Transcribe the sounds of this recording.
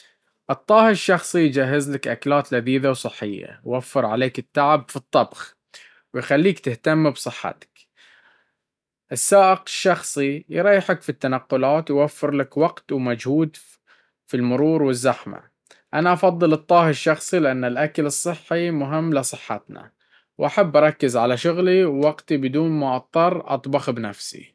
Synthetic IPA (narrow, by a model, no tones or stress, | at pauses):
ʔɨt̪ˤːɑːhʃːɑxsˤijd͡ʒaːɦːɪzlakʔaklaːt̪laðiːðawsˤɨħːɪjːa̰jwafːɪɾʕaleːkɪt̪ːaʕɪbfit̪ˤːɑbx | wɪjxalːiːkt̪ɪht̪amːbsˤɨħːa̰t̪ḁk | ʔɪsːaːʔɪqɪʃːɑxsˤijɾˤɑːjːħakfit̪ːanaqːʊlaːt̪wjwafːɪɾlakwɑɡt̪wmad͡ʒhuːd̪ | filmʊɾuːɾwɪzːaħma̰ | ʔanaʔɑfɑðˤːɨlɨt̪ˤːɑːhɪʃːɑxsˤilɪʔanːalʔakalɨsˤːɨħːimʊɦɪmːlɪsˤɨħːa̰t̪na̰ | wʔaħabːʔɑɾˤɑkːɪzʕalaʃʊɣliwːɑɡt̪ibɪd̪uːnmaʔɑt̪ˤːɑɾˤʔɑ̰t̪ˤbɑxbnafsḭ